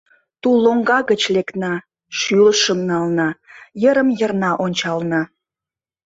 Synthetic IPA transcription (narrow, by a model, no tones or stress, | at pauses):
t̪uloŋɡɑɣət͡ɕleknɑ | ʃyləʃəmnɑlnɑjəɾəmjərnɑʔonʲt͡ɕɑlnɑ